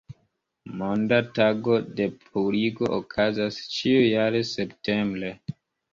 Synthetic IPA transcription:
mondataɡo̞de̞pʰuliɡo̞ʔokʰazast͡ʃiujaɾe̞se̞pte̞mbɾe̞

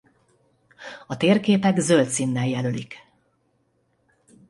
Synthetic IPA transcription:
ɒt̪eːrkeːpɛɡzølt̪sinːɛljɛlølik

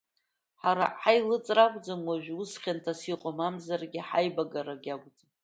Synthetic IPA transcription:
ħaɾa̰ħajlɨt͡sʼrakʷʼd͡zamwaʒᶣusχʲantʰasiqʷʼomamzarɡʲɪħajbaɡaɾaɡʲakʷʼd͡za

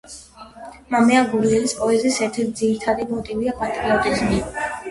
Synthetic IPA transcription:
mamɛaɡuɾiɛlispʼɔɛzɛsɛɾt̪ʰɛɾt̪̚d̪ziɾit̪ʰaɾimɔt̪ʼiviapʼat̪ʼɾiɔt̪ʼismi

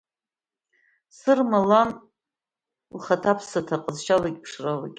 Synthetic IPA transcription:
sɨrmalan | lχatʰapʰsatʰaqʼəzʃalakʲʼpʰʂrala̰kʲʼ

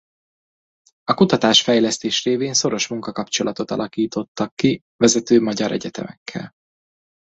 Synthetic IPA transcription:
ɒkut̪ɒt̪aːʃfɛjlɛst̪eːʃreːveːnso̞ɾo̞ʃmuŋkɒkɒpt͡ʃo̞lɒt̪o̞t̪ɒ̰lɒkiːt̪o̞t̪ːɒkːi | vɛzɛt̪øːmɒɟɒɾʔɛ̰ɟɛt̪ɛ̰mɛkʰːɛ̰l

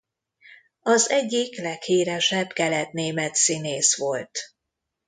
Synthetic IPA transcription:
ɒzɛɟːiklɛkhiːɾɛʃɛbkɛlɛt̪neːmɛt̪sineːsʋo̞lt̪

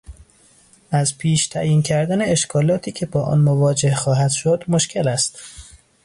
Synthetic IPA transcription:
ʔæzpʰiːʃt̪ʰæjiːncʰæɾd̪æne̞eʃkʰɒːlɒːt̪ʰiːcʰe̞bɒːʔɒ̰ːnmovɒːd͡ʒehxɒːɦæd̪̥ʃod̪mo̞ʃcʰe̞læst̪

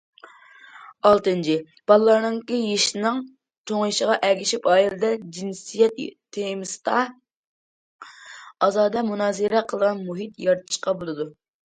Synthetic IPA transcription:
ɑlˠt̪ɨnt͡ʃʰɪ | b̥ɑlˠlːˠɑɾnɨŋkʲijeʃnɨŋ | t̪ʰoŋjiʃəʁɑʔɛɡʲiʃipɑːjiɾɨd̪ɛd͡ʒinsijɛt̪ʰː | emɨst̪ɑ | ɑzɑːd̪ɛmunɑːzɨɾɛqʰəlˠəʁɑnmuɦit̪jɑɾt̪ʰɨ̥ʃqɑbolˠɨd̪u

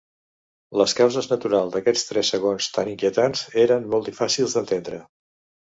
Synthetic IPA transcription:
ləskawzəznət̪uɾalˠzd̪əkɛt͡sst̪ɾɛsəɣ̞onst̪aniŋkiət̪anzeɾənmɔlˠt̪d̪ifasilˠzd̪ənt̪end̪ɾə

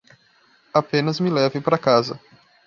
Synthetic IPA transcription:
apẽnɐzmɪlɛvɪpaɾɐkazɐ̰

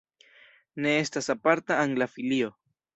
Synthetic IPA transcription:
ne̞e̞stasapaɾtaːŋlafilio̞

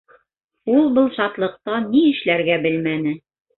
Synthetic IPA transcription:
ulˠbɤlˠʃɑt̪lˠɤ̆q̚t̪ɑniɘ̆ʃlæɾɡæbɘlmænɘ

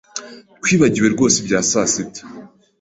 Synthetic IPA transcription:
kwiːβaɟiɾwe̞ɾɡo̞ːsebjaːsasib̚te̥

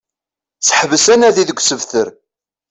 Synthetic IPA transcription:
səħəvəsænæðiðəɡʷsəvθəɾ

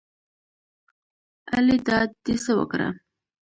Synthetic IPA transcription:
alid̪ɑd̪isəwə̰kɾa̰

